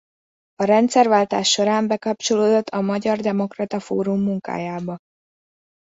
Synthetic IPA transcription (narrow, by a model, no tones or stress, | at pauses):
ɒɾɛnt̪sɛrvaːlt̪aːʃːo̞ɾaːmbɛkɒp̚t͡ʃo̞loːd̪o̞t̪ʰːɒmɒɟɒrd̪ɛmo̞krɒt̪ɒfo̰ːɾumːuŋka̰ːjaːbɒ